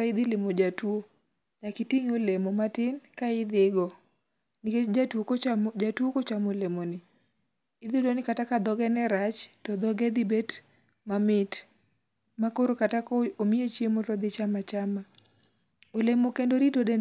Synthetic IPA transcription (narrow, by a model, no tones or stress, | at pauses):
aɪd̪ɪlɪmod͡ʒatwo | ɲakɪtiŋolemomatɪnkaɪd̪ɪɡɔ | niket͡ʃd͡ʒatwokot͡ʃamod͡ʒatwokot͡ʃamolemonɪ | ɪd̪ɪdonɪkatakad̪ɔɡɛnɛɾat͡ʃtɔd̪ɔɡɛd̪ɪbet | mamɪt | makoɾokatakoomiot͡ʃjemotɔd̪ɪt͡ʃamat͡ʃama | olemokendoɾidode